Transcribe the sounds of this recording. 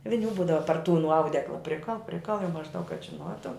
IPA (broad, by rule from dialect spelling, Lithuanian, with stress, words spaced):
ʋʲɪˈnʲuː ˈbuːdɐʋɐ pɐr tuː nʊ ˈɐʊdʲɛklˠɐ ˈpʲrʲɪkɐlˠ ˈpʲrʲɪkɐlˠ jɛʊ mɐʒˈdɐʊk kɐt ʒʲɪˈnuɔtʊ